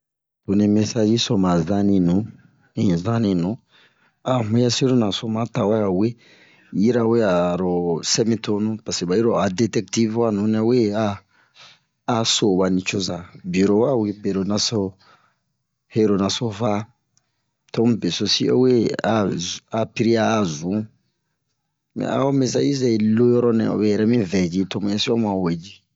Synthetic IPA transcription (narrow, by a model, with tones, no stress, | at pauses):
to˨nĩ˧me˦sa˦d͡ʒi˦so˨mã˨zã˦nĩ˧nũ˨˦ | nĩ˨zã˦nĩ˨nũ˨˦ | a˨ɦũ˦ja˦si˦ɾo˦nã˨so˨mã˨ta˨wa˦a˨we˦ | ji˦ɾa˨we˦a˨ɾo˨se˦mĩ˦to˧nũ˦pa˨se˨ba˨ji˦ɾo˨a˨de˨tɛ˦k̚ti˦vwa˦nũ˨˦na˦we˦a˦ | so˨ba˨nĩ˨t͡ʃo˦za˨bi˨ɾo˨wa˦wi˦be˨ɾo˨nã˨so˦ | he˦ɾo˨nã˨so˦fa˦ | to˦mũ˦be˨so˨si˦o̰˦we˦a˨a˨pi˦ɾi˦aː˦˨zũ˨˦ | mɛ̰̃˨a̰˨o˦me˨sa˦ji˦zɛ˨lo˦jɔ˦ɾɔ˦nɛ̰̃˨o̰˨bɛ˨jɛ˨ɾɛ˦mĩ˦vɛ˨d͡ʒi˦to˦mũ˦ɛ˦si˦ɔ˦mũ˨a˨we˨d͡ʒi˦